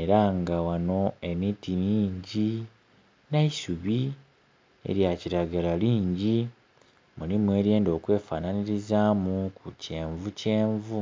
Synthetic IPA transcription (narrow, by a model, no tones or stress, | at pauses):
eɾaŋɡawano̞e̞mitimiːɲɟi | naisuβi | e̞̰ɾjaciɾaɡalaliːɲɟi | mulimue̞ːɾje̞ːndo̞ːkwe̞ːfaːnaniɾizaːmukuce̞ːɱvuce̞ːɱvu